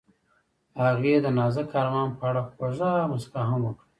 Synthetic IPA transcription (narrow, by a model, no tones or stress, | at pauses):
haɣed̪ənɑzakʰɑɾmɑnpəaɽaxozamʊskaɦamwokɽa